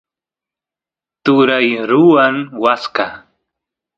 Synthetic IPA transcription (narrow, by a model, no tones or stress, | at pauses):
t̪ʊɾajɾʊwaŋwaska